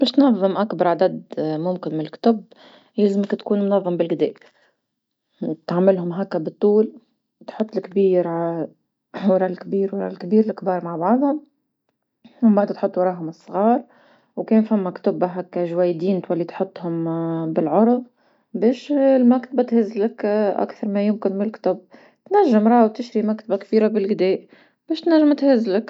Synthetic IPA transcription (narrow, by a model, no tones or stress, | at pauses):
beːʃt̪nɑðˤːɨmʔakbɑɾˤʕad̪ad̪mʊmkɪnmɪnɪlkt̪ʊb | leːzmɪkt̪kuːnmʊnɑðˤːɑmbɪlɡɪd̪ḛːʔ | t̪ʕamɪlɦʊmɦakːabɨt̪ˤːuːl | t̪ħʊt̪ˤːɪlkbiːɾʕa | wɑɾˤɑʔlkbiːɾwɑɾˤɑ̰lkbiːɾɪlkbɑːɾˤmaʕbɑʕd̪ˤhʊm | wmbaʕd̪t̪ħʊt̪ˤːwɑɾˤɑːʔɦʊmɨsˤːɣɑːɾˤ | wkeːnfamːakt̪ʊbaɦakːaʒwajːd̪iːnt̪walːit̪ħʊt̪ˤːhʊmbɪlʕʊɾˤð | beːʃlmakt̪abat̪hɪzlakʔa̰kθɑɾˤmajʊmkɪnmɪɪlkt̪ʊb | t̪naʒːɪmɾˤɑːwt̪ɪʃɾimakt̪abakbiːɾabɪlɡɪd̪eːʔ | b̥eːʃt̪naʒːamt̪hɪzːlak